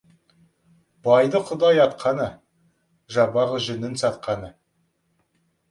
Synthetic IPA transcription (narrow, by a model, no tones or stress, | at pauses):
b̥ɑjd̪əqʰʊd̪ɑjɑt̪qʰɑnə | ʒɑbɑʁəʒʏnɪnsɑt̪̚qʰɑnə